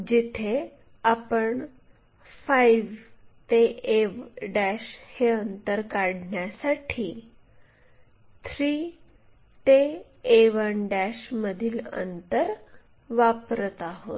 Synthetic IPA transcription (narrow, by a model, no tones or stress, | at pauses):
d͡ʑit̪ʰe | apəɳ | fajʋt̪eeʋɖæɕheənt̪əɾkaɽɳjasaʈʰiː | t̪ʰɾiː | t̪eː | ʋənɖæɕməd̪ʱiːlə̰nt̪əɾ | ʋapɾət̪aɦo̰t̪